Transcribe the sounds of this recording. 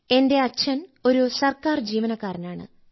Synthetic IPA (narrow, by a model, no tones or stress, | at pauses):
e̞nde̞ɐt͡ɕʰːɐno̞ɾusɐrkaːrd͡ʑiːʋɐnɐkːaːɾɐnaːɳɨ̰